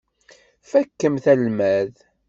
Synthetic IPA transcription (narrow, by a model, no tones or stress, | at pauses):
fækːəmθælmæð